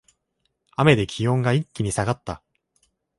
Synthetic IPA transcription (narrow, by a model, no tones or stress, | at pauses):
ame̞d̪e̞kʲʰijõŋɡaikʲːiɲ̟isaɡat̪ːa